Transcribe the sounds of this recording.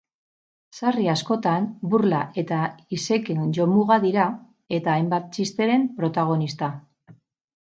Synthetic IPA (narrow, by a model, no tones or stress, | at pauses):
sariasko̞t̪anbuɾlae̞t̪aise̞kenʝo̞muɣaðiɾa | e̞t̪aːjmbat̪̚t͡ʃist̪e̞ɾe̞mpɾo̞t̪aɣo̞nist̪a